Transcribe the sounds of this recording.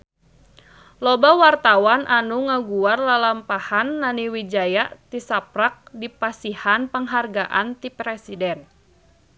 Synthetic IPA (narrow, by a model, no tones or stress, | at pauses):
lɔbawart̪awanʔanuŋaɡuarlalampahanːaniwid͡ʒajaʔt̪isapɾak̚dipasihanpəŋɦarɡaʔant̪ipɾɛsidɛn